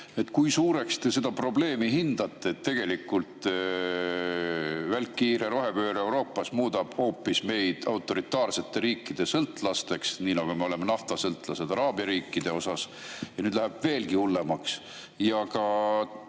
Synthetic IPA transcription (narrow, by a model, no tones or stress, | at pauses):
e̞t̪ːˑkujsuːɾe̞kst̪e̞se̞d̪̥ɑpro̞ble̞ːmiɦind̪̥ɑt̪ːˑe̞ːt̪ːe̞ɡ̥e̞likːult̪ | vælkːiːɾe̞ɾo̞ɦe̞pøːɾe̞wɾo̞ːpːˑɑsmuːd̪̥ɑb̥ho̞ːpːisme̞jd̪̥ɑwt̪ːˑo̞ɾit̪ˑːɑːrse̞t̪ːˑe̞ɾiːkːid̪̥e̞sɤlt̪ːˑlɑst̪e̞ksniːnɑɡ̥ume̞o̞le̞menɑft̪ɑsɤlt̪ːˑlɑse̞d̪ɑɾɑːbjɑɾiːkːˑid̪̥e̞o̞sɑs | jɑnyːd̪læɦeb̥ve̞ːlɡiulːe̞mɑks | jɑɡɑ